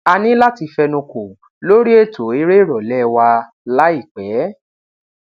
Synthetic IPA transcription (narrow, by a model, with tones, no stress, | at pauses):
a˧nĩ˦la˦ti˧fɛ˧nũ˧ko˨ | lo˦ɾi˦e˦˨to˨˦e˦ɾe˦ɾɔ˨lɛ˦wa˧ | la˦i˦˨k͡pɛː˨˦